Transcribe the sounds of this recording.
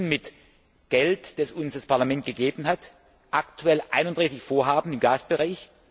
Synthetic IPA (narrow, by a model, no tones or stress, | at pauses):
nmɪt | ɡ̥ɛltd̥asʊnsd̥aspʰaɐlamɛnt̚ɡ̥əɡeːbn̩ɦat | ʔaktʰuɛlʔa̰ɪnʊnd̥ʁaɪsɪçfoːɐɦaːbn̩ɪmɡaːsb̥əʁaɪç